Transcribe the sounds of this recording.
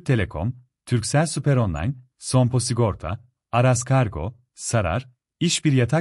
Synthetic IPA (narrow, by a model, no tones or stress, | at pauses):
t̪ʰe̞lʲekʰo̰m | t̪ʰyɾcsælʲsypɛɾo̞nlˠa̰jn | so̞mpʰo̞siɡo̞ɾt̪ʰa̰ | aɾaskʰaɾɡo̞̰ | saɾa̰ɾ | iʃbiɾjat̪ʰa